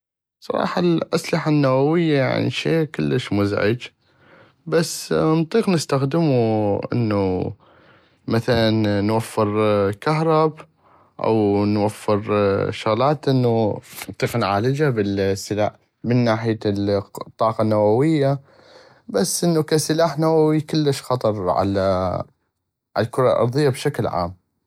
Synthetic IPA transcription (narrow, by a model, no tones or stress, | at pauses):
sˤɑ̰ɾˤɑ̰ːħɑlʔaslɪħanːawawɪjːaja̰ʕnḭʃḛːkʊlːəʃmʊzʕɪ̰d͡ʒ | basːnt̪ˤiːqnəst̪axd̪ɪmuʔə̰nːu | maθalanːwafːɪɾkaɦɾˤɑb | ʔa̰wnwafːɪɾʃʊɣlaːt̪ʔənːunt̪ˤiːqnʕaːləd͡ʒabɪlsːɪlaːħ | mənːaːħɪjalt̪ˤːɑːqɑnːawawɪjːa | basːʔɪnːukasɪlaːħnawawikʊlːəʃxɑt̪ˤɑɾˤʕa̰la | ʕa̰lakʊɾˤɑ̰lʔɑ̰ɾˤðˤɨjːabʃaklʕa̰ːm